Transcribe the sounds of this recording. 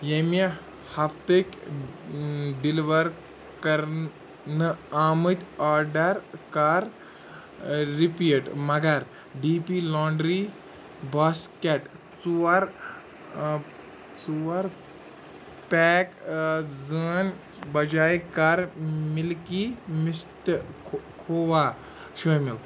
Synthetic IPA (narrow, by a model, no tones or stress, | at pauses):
jemi | hapt̪ek | ɖiliʋəɾ | kəɾ | nəamɨt̪ʲɔɾɖəɾkaɾ | ipiəʈməɡaɾ | ɖipilɔ̃ɳɖɾi | baskɛʈ | t͡suaɾ | t͡suʋaɾ | pɛkd͡zəːnʲ | bɐd͡ʒaːjkaɾmilkimisʈ | kʰoːʋa | ʃujmil